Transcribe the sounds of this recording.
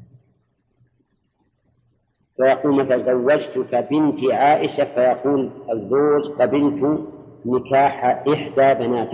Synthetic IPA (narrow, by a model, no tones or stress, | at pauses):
fajɑquːlmat̪azawːad͡ʒt̪ʊkabɪnt̪ʕaːʔɪʃafajɑquːlʔazːoːd͡ʒqɑbɪlt̪nɪkaːħʔɪħd̪aːbanaːt̪